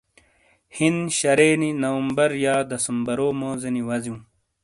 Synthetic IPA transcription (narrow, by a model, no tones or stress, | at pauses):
hinɕɐɾeːninɐwɐmbɐɾjaːd̪ɐsɐmbɐɾoːmoːzeniwɐziũː